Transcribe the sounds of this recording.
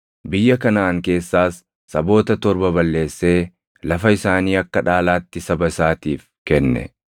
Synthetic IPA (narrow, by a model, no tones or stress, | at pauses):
bɪjːɐkɐnaːŋke̞ːsːaːsː | ɐbo̞ːt̪ɐt̪ɔɾbɐbɐlːe̞ːsːe̞ː | lɐfɐɪsaːniːɐkːɐᶑaːlaːt̪ːɪsɐbɐɪsaːt̪iːf | kɛnːɛ̰